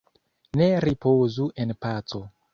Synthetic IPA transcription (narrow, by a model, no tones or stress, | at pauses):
neɾipozuʔenpat͡so